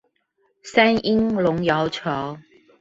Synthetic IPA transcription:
sa˥ni˥ŋlʊ˨˥ŋjɑ˨˧˥ʊt͡ʃʰɑ˨˧˦

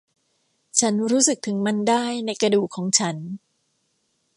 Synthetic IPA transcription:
t͡ɕʰa˦˥nɾuː˦˥sɯ˨˩k̚t̪ʰɯ˩˦ŋma˧ndaː˥˩jna˧jkɾa˧duː˨˩kʰːɔː˩˦ŋt͡ɕʰa˦˥n

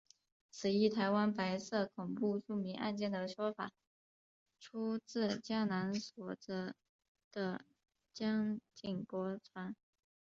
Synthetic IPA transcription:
t͡sʰɹ̩˨˩i˥˩t̪ʰa˧˥ɪwa˥npa˧˥ɪsɤ˥˩kʰʊ˨˩ŋpu˥˧ʈ͡ʂu˥˩mi˧˥ŋʔa̰˥˧nt͡ɕjɛ˥˩nd̪ə˩ʂwɔ˥fa̰˨˩˦ | ʈ͡ʂʰu˥t͡sɹ̩˥˩t͡ɕja˥na˧˥nswɔ˨˩ʈ͡ʂə˥˩ | d̪̥ə˧ | t͡ɕjɑ˥ŋt͡ɕi˥˩ŋpwɔ˧˥t͡sʰwa˧˥n

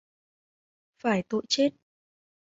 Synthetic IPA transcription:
faː˧˩jt̪o̰˧˨jt͡ɕe˦˥t̚

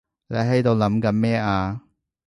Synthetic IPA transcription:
le˨˧˥ɦɐ˨˥jt̪o˨˧wlɐ˨˥mkɐ˨˥nmɛː˥aː˧

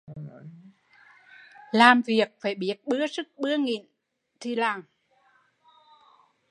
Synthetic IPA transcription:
laː˨˩mvi˨˩ək̚faː˧˩jɓi˦˥ət̚ɓɨ˦˥əsɨ˦˥k̚ɓɨ˧˥əŋḭ˧˨n | t̪ʰi˧˩laː˨˩ŋ

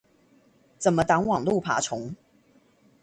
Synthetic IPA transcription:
t͡sə˨˩nmə˦t̪ɑ˧˥ŋwɑ˨˩ŋlu˥˨pʰa̰˨˩˦ʈ͡ʂʰʊ˨˧˦ŋ

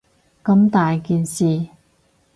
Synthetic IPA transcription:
kɐ˧mt̪aː˨jkiː˨nsiː˨˩

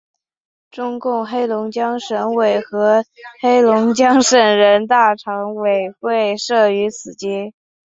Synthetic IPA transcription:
ʈ͡ʂʊ˥ŋkʊ˥˩ŋxe˥ɪlʊ˧˥ŋt͡ɕjɑ˥ŋʂə˧˥nwe˨˩ɪxɤ˧˥xe˥ɪlʊ˧˥ŋt͡ɕjɑ˥ŋʂə˨˩nɻə˧˥nt̪a˥˩ʈ͡ʂʰɑ˧˥ŋwe˨˩ɪxwe˥˩ɪʂɤ˥˩y˧˥t͡sʰɹ̩˨˩t͡ɕi˥

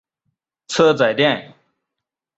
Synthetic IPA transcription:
t͡sʰɤ˥t͡sa˨˩ɪt̪jɛ˥˩n

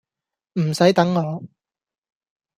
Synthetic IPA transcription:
m̩˨˩sɐ˨˥jt̪ɐ˨˥ŋŋɔː˨˥

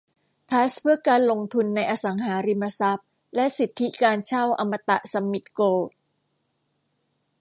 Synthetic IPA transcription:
t̪ʰa˦˥spʰɯ˥˩ɐkaː˧nlo˧ŋt̪ʰu˧nːa˧jʔa˧sa˩˦ŋɦaː˩˦ɾi˧ma˧sa˦˥p̚ | lɛ˦˥ʔsi˨˩t̪ʰːi˦˥kaː˧nt͡ɕʰa˥˩wʔa˧mːa˧t̪a˨˩ʔsa˧mːi˨˩t̪̚koː˧

